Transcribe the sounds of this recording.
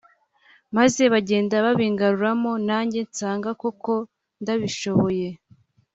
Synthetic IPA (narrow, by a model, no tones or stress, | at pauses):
maze̞βaɟe̞ːndaβaβiːŋɡaɾuɾamo̞naːɲɟe̞nsaːŋɡako̞ko̞ | ndaβiʃo̞βo̞je̞